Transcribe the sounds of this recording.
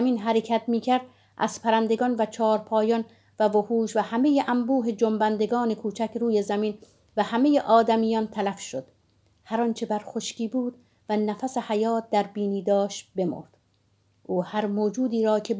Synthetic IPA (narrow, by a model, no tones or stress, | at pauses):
miːnɦæɾecʰæt̪miːcʰæɾd̪ | ʔæ̰z̥pʰæɾænd̪e̞ɡɒːnvæt͡ʃʰɒːɾpʰɒːjɒn | vævohuːʃvæhæme̞jeʔæmbuːɦe̞d͡ʒombænd̪e̞ɡɒːne̞kʰuːt͡ʃʰækʰɾuːjezæmin | væhæme̞jeʔɒːd̪æmijɒnt̪ʰælæfʃod̪̥ | hæɾɒnt͡ʃʰe̞bæɾxo̞ʃciːbuːd̪̥ | vænæfæsehæjɒːt̪̚d̪æɾbiːniːd̪ɒːʃt̪be̞mo̰ɾd̪̥ | ʔuːhæɾmoːd͡ʒuːd̪iːɾɒːcʰe̞